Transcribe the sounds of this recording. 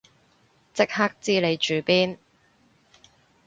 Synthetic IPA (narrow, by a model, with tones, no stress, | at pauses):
t͡sɪ˥k̚haː˥k̚t͡siː˥le˨˧jt͡ʃyː˨˧piː˥n